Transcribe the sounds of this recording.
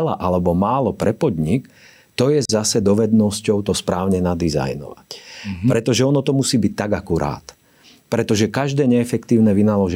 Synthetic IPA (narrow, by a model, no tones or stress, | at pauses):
la̰ʔalɛbɔmaːlɔpɾɛpɔd̪ɲik | t̪ɔjɛzasɛd̪ɔʋɛd̪nɔscɔʊt̪ɔspɾaːʊɲɛnad̪iza̰jnɔ̰ʋacpɾɛt̪ɔʒɛɔnɔt̪ɔmusiːbic̚t̪aɡakuɾa̰ːt̪ | pɾɛt̪ɔʒɛkaʒd̪ɛːɲɛːfɛkt̪iːʊnɛʋinalɔʒɛ